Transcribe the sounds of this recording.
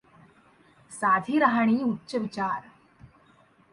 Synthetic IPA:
saːd̪ʱiːɾaɦaɳ̃iːutːɕəʋit͡ɕaːɾ

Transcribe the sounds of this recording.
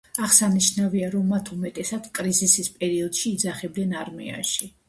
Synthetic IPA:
aʁsaniʃnaviaɾɔmːat̪ʰumɛt̪ʼɛsat̪skʼɾizisispʼɛɾiɔd̪̥ʃiːd̪zaχɛb̚d̪ɛnaɾmɛ̰a̰ʃi

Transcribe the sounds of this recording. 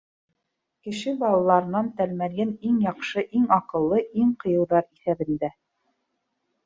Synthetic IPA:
kɘ̆ʃɘbɑlˠɑlˠɑɾɤ̆nɑnt̪ælmæɾɡɘniŋjɑqʃɤʔiŋɑqɤ̆lˠːɤʔiŋqɤ̆jɤ̆wðɑɾiθæβɘ̆nd̪æ

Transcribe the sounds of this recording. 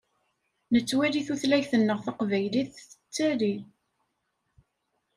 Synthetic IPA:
nət͡sːwæliθuθlæjθənːəʁθɑqvæjliθət͡sːæli

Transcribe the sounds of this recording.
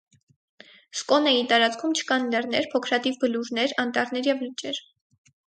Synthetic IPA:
skɔnəit̪ɑɾɑt͡skʰumt͡ʃʰə̥kɑnlɛrnɛɾpʰɔkʰɾɑt̪ivbəluɾnɛɾɑnt̪ɑɾnɛɾjɛvlət͡ʃʼɛɾ

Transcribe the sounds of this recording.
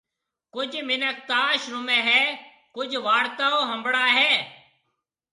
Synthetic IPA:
kʊd͡ʒmɪnək̚t̪aːʃɾʊmẽːɦɛː | kʊd͡ʒʋaːɽt̪aːoːɦə̃mbɽaːɦɛː

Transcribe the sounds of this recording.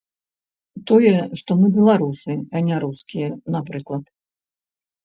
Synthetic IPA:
t̪ɔjɛʂt̪ɔmɨbʲɛlˠaɾusɨɐnʲaɾuskʲijɛnapɾɨklˠɐt̪

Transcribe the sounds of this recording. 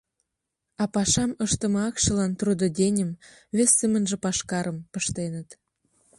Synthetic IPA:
ɑpɑʃɑməʃt̪ə̆mɑɑkʃə̆lɑnt̪rud̪ŏd̪ʲenʲə̆m | βesʲːemə̆nʒĕpɑʃkɑɾəmpə̆ʃt̪enə̆t̪

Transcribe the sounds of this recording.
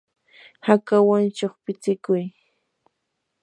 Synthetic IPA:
hakawant͡ʃoχpɪt͡sɪkʊj

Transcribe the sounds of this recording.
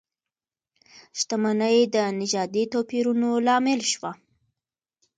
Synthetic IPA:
ʃt̪amanəjd̪ənɪd͡ʒɑd̪it̪opiɾunolɑmɪlʃwa

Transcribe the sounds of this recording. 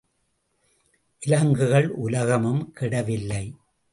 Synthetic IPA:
ʔɪlɐŋɡɯɣɐɭʔʊlɐɣɐmɯmkɪɽɐʋɪlːɐɪ

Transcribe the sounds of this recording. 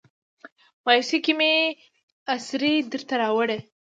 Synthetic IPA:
mɑjsikime | asɾed̪əɾt̪aɾɑwəɽe

